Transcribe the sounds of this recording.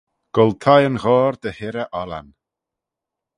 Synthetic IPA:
ɡ̥ɔlˠt̪ʰajənɣɔːɾd̪əhɪɾəʔɔla̰n

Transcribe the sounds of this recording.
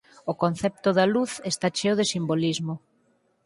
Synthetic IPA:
okon̟θɛp̚t̪ʊðaluθest̪at͡ʃeoðesimbolizmo

